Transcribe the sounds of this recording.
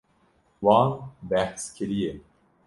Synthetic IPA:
wɑːnbæhskʰɨɾije

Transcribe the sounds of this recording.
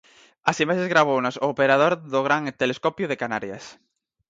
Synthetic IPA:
ɐsimaʃezɣɾaβownasoːpeɾaðoɾðʊɣ̞ɾaŋt̪eleskɔpjʊðekanaɾja̰s

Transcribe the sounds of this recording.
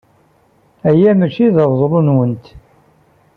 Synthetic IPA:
æjæmæt͡ʃiðəvˤzˤlunwənt̪

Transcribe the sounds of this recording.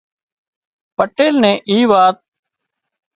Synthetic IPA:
pəʈeːlnẽːʔiːʋaːt̪̚

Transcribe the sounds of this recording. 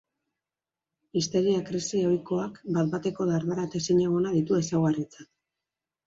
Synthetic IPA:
ist̪e̞ɾiakɾisio̞jko̞akbat̪bat̪e̞ko̞ðaɾðaɾat̪e̞siɲeɣ̞onaðit̪ue̞sawɣarit͡sat̪

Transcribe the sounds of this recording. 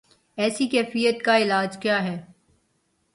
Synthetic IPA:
ɛːsikɛːfijət̪kaɪlaːd͡ʒkjaːɦɛː

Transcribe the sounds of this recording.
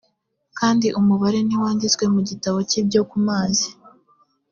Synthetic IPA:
kaːndiʔumuβaɾe̞niwaːndit͡skwe̞muɟitaβo̞cib̚ɟo̞kumaːzi

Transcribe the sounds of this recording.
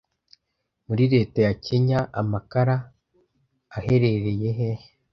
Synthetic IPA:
muɾiɾe̞ːtajacʰe̞ɲaʔa̰makaɾa | he̞ɾe̞ɾe̞je̞ɦe

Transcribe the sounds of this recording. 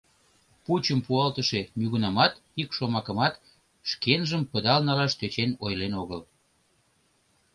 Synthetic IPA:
put͡ɕəmpuɑlt̪əʃe̽myɣunɑmɑt̪ikʃomɑkəmɑt̪ | ʃkenʒəmpəd̪ɑlnɑlɑʃt̪øt͡ɕenojlenoɣəl

